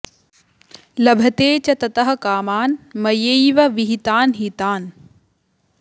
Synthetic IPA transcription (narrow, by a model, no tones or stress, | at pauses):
lɐbʱɐt̪eːt͡ʃɐt̪ɐt̪ɐɦɐ̆kaːmaːnmɐjejʋɐʋiɦit̪aːnɦiːt̪aːn